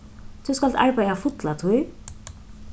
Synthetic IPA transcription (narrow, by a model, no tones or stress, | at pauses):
t̪ʰuskalt̪a̰ɹpajðafʊt̪lat̪ʰuj